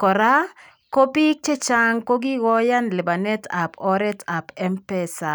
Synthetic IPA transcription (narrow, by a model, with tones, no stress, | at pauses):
kɔ˨ɾa˦ | ko˦pi˦k̚t͡ʃe˦t͡ʃa˦ŋko˦ɡi˦wɔ˦ja˦nlɪ˨ba˨nɛ˦ta˨pɔ˦ɾɛ˦ta˨pɛ˦mpɛ˦sa˨